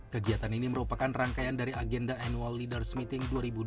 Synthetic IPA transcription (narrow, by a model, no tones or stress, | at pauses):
kəɡiat̪aniniməɾupakanraŋkajandaɾiaɡɛndaanualːidərsmit̪ɪŋduaɾibu